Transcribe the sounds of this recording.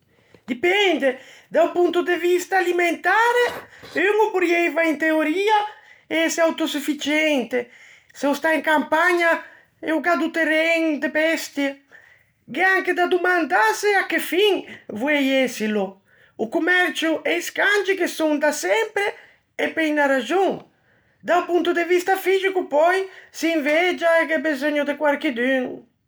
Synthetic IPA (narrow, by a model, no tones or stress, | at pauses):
d̪ipɛnd̪ed̪awpunt̪ʊd̪evist̪aːliment̪aɾeeŋopuɾjɛjvaint̪eoɾiasawt̪osufit͡ʃɛnt̪e | sewst̪aeŋkampaɲa | ɛ̰uɡad̪ut̪erɛŋd̪ebɛst̪je | keaŋked̪ad̪umand̪aseakːefiŋvwɛjɛsilo | ukumɛɾt͡ʃuʔeiskand͡ʒikesuŋd̪asɛmpɾeː | pɛjnaɾad͡ʒuŋ | d̪awpunt̪ud̪evist̪afizikupɔjsiɱvɛd͡ʒaekɛbezoɲod̪ekwaɾkid̪yn